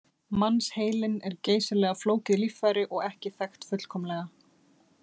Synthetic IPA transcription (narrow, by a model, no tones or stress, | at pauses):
manːsheːjlɪnɛɾceːjsɪlɛːɣafloːwcɪðlifajɾɪʔɔɣɛhcɪθɛxt̪fʏt̪l̥kʰɔːmlɛːɣa